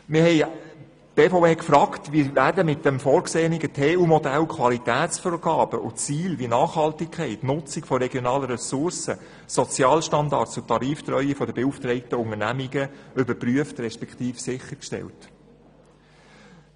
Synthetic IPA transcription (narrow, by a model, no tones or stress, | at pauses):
mɪhɛɪ | b̥eːfopeːkfɾɑːktʋiːɾvæːɾdəmɪt̚dɛmfɔːɾkseːniɡətʰeːuːmɔdælkʰʋɑlitæːt͡sfoːɾɡ̥ɑːbəʔʊ̰t͡siːlʋinɑːχhɑltɪkʰɛɪtnʊt͡sɪkfɔɾɛɡjɔnɑːləɾɛsʊɾsə | sɔt͡sjɑːlʃtɑndɑ̰ɾtst͡sʊtʰɑɾiːft̪ɾœʏifɔdəbeuftɾɛɪtəʊŋənæmiɡəʏbəɾpryəftrɛʃpɛktiːfsɪχəɾkʃtɛ̰lt